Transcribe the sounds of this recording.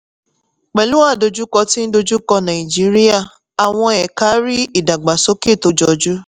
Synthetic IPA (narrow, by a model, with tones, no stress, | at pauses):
k͡pɛ˨lũ˦a˦˨do˧d͡ʒu˦kɔ˧ti˦n̩˦do˧d͡ʒu˦kɔ˧nã˨i˨d͡ʒi˨˦ɾi˦a˦˨ | a˨w̃ɔ̃˧ɛ˨ka˨˦ɾi˦i˦˨da˨ɡ͡ba˨so˦ke˦˨to˧d͡ʒɔ˧d͡ʒu˦